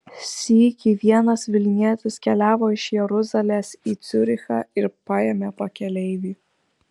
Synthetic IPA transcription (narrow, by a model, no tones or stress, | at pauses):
sʲiːkʲiːʋʲiɛnɐsʋʲɪlʲnʲiɛt̪ʲɪskʲɛlʲæːʋoːɪʃjɛɾʊzɐlʲeːsiːt̪sʲʊɾʲɪxɑ̰ːɪɾpɑjemʲepɐkʲɛlʲɛɪʋʲiː